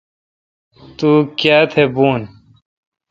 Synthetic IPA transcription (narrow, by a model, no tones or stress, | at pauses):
t̪uːkjaːt̪ʰebuːn